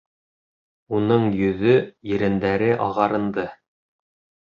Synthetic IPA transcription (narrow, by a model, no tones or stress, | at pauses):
unɤɴjɵ̆ðɵjɘ̆ɾɘ̆nd̪æɾɘʔɑʁɑɾɤ̆nd̪ɤ